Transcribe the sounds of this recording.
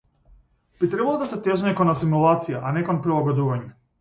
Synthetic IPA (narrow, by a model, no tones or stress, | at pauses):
b̥it̪ɾebalˠod̪aset̪eʒeɲekonas̬imulˠat̪sijaʔanekonpɾilˠaɡod̪uʋaɲu